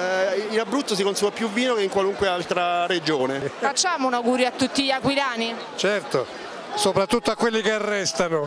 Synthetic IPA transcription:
inabːɾut̪ːos̬ikonsɛɡwapjuvːiːnokeiŋkwaluŋkwealt̪ɾaɾed͡ʒoːnefat͡ʃːaːmounawɡuːɾjoat̪ːut̪ːiʎːakwilaːni | t͡ʃɛrt̪o | soːpɾat̪ːut̪ːoakːwelːikearːɛst̪ano

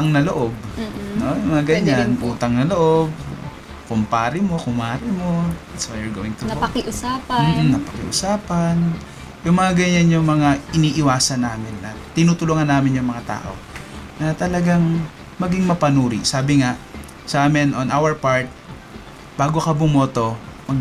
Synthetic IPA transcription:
ɐŋnɐloʔob̚no̞jʊŋmɐŋaɡɐɲːanʔuːt̪ɐŋnɐloʔob̚ | kʊmpaːɾɪmokʊmaːɾɪmo̞d̪at̪swajjuɹɡowɪŋt̪ʊɐkɪʔʊsaːpm̩ːm̩nɐpɐkɪ̰ʔʊ̰saːpɐn | jʊŋmɐŋaɡɐɲanjʊŋmɐŋaʔɪniːʔɪwaːsɐnːaːmɪnːɐt̪ɪnuːt̪ʊlʊŋɐnːaːmɪnjʊŋmɐŋat̪a̰ːʔo̞̰ | nɐt̪ɐlɐɡaŋ | mɐɡɪŋmɐpɐnuːɾɪ̰ʔsaːbɪŋa | sɐʔaːmɪnʔonʔawɛɹpaɹt̪̚ | b̥aːɡo̞kɐbʊmo̞ːt̪o̞mɐɡ

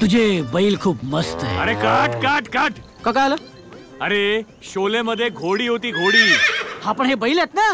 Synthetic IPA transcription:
t̪ud͡ʑebəilkʰuːpməst̪ḛəɾekaʈkaʈkaʈʰ | kakalə | əɾe | ɕoleməd̪ʱːjeɡʱoɽiːɦot̪iːɡʱoɽiːhãpəɳɦebəilet̪na

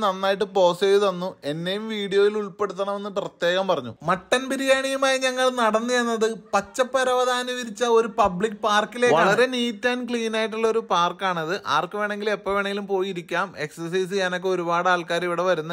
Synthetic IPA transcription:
nɐnːaːjiʈ̬ːɨpo̞ːseːjiðɐnːue̞nːe̞jumʋiːɽijo̞ːjiluɭpe̞ɽut̪̬ːɐɳɐme̞nːɨprɐt̪je̞ːɣɐmpɐrɐɲːṵmɐʈːɐnpiɾijaːɳijɐmaːjiɲɐŋːɐɭnɐɽɐnːijenːɐðɨpɐt͡ɕːɐpːɐɾɐʋɐd̪ʱaːnɐʋiɾit͡ɕːɐo̞ɾupɐbɭikːɨpaːrkːile̞ːɐɐɭɐɾe̞niːt̪ːaːnkɭiːnaːjiʈ̬ːuɭːɐo̞ɾupaːrkaːɳɐðɨʔa̰ːrkːɐʋeːɳe̞ŋɡilepːɐːʋeːɳɐŋɡilumpo̞ːjiɾikʲːaːme̞ksɐrs̬ɐjs̬ɨɲɐno̞kːe̞o̞ɾubaːɽaːɭkaːɾiʋiɽe̞ʋɐɾunːɐ

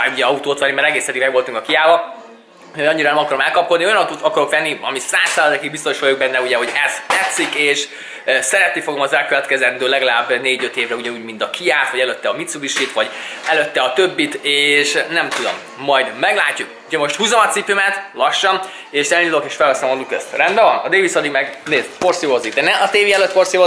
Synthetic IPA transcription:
auɟɛɒut̪oːt̪ʋɛnːimɛɾɛɡeːsɛd̪iɡmɛɡʋo̞lt̪uŋkɒkijaːvɒ | ojɒɲːiɾɒnɛmɒkɒɾomɛlkɒp̚ko̞d̪d̪niojɒnɒut̪oːt̪ɒkɒɾo̞kʋɛnːiɒ̰misraːsaːlɒd̪ɛkiɡ̚bist̪o̞ʃʋɒjoɡ̚bɛnːɛuɟɛɦo̞ɟɛz̥t̪ɛt̪sːikeːʃ | sɛɾɛt̪nifo̞ɡomɒzɛlkøvɛt̪kɛzɛnd̪øːlɛɡɒlaːbneːɟøt̪eːvɾrɛuɟɛuːɟmint̪ɒkʰijaːfʋɒɟɛlø̞t̪ːɛɒmit̪subiʃit̪ʋɒɟɛløt̪ːɛɒt̪øbːit̪eːʃnɛmt̪ud̪o̞̰mː | ɒjd̪mɛɡlaːcːukuɟɛmo̞ʃt̪huːzomɒt̪sipymɛt̪lɒʃːɒn | eːʃzɛnilokeːʃfɛlɦɒsomɒlukøst̪rɛnd̪bɛvɒnɒd̪eːvisɒd̪iɡmɛɡneːpo̞rsivoziɡd̪ɛnɛɒt̪eːviɛløt̪po̞rsivo

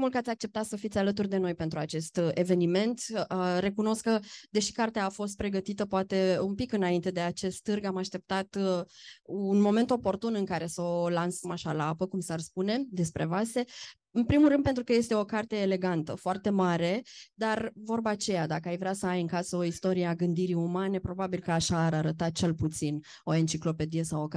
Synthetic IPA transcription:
mulkəat̪ʲak̚t͡ʃe̞pt̪at̪səfit̪sʲalət̪urʲd̪e̞no̞jpe̞nt̪ɾuat͡ʃe̞st̪e̞ve̞nime̞nt̪re̞kuno̞skəd̪e̞ʃi̥kart̪eaːfo̞s̬t̪̚pɾe̞ɡət̪it̪əpoat̪e̞umpikɨnaint̪e̞d̪e̞at͡ʃe̞st̪t̪ɨrɡamaʃt̪e̞p̚t̪at̪ | unmo̞me̞nt̪o̞po̞rt̪unɨŋkaɾe̞səolansəmaʃalaapəkumsarspune̞d̪e̞spɾʔe̞vase̞ | ɨnpɾimulɾɨnd̪pent̪ɾukəje̞st̪e̞o̞kart̪e̞ːle̞ɡant̪əfoart̪e̞maɾe̞d̪arvo̞rbat͡ʃe̞jad̪akəajvɾeasəajɨŋkasəoist̪o̞ɾieaɡɨnd̪iɾiumane̞pɾo̞babilkəaʃaːɾaɾət̪at̪̚t͡ʃe̞lput̪sin | o̞e̞nt͡ʃiklo̞pe̞d̪ije̞sawoka

